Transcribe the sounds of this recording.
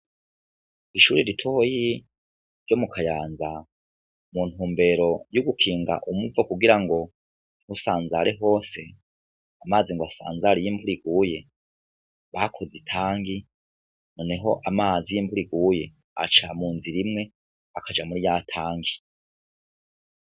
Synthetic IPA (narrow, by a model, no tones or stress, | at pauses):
iʃuːɾiɾitʰoji | ɾɟomukʰajaːnza | mun̥huːmbe̞ɾo̞juɡukʰiːŋɡa̰ʔumuvakuɡiɾaŋɡo̞ | husaːnzaɾeɦo̞ːse̞ | amaːziŋɡoasa̰ːnzaɾijiːmbuɾiɡuje̞ | βakʰo̞zitʰaːŋɡi | noneɦo̞ʔamaːzijiːmbuɾiɡuje̞ | a̰t͡ʃa̰muːnziɾimŋe̞ | akʰad͡ʒamuɾijatʰaːŋɡi